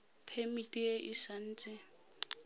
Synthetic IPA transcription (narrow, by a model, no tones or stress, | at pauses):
pʰemitʼieʔɪʃan̩ːt͡sʼɪ